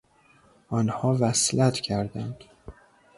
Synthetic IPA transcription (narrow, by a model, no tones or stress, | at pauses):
ʔɒːnhɒːvæslæt̪ʰcʰæɾd̪ænd̪̥